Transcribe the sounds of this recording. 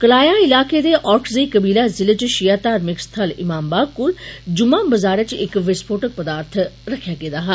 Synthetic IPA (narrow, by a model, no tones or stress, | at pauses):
kəlaːjaɪlaːked̪eːʔɔːɾkʰzəiːkəbiːlazɪlət͡ʃʃijaːt̪aːɾmɪkst̪ʰəlɪ̰maːmbaːb̚kʊld͡ʒʊmãːməzaːɾət͡ʃɪkʋɪspʰoːʈək̚pəd̪aːɾt̪ʰɾəkʰjaːɡẽːd̪aːɦɛ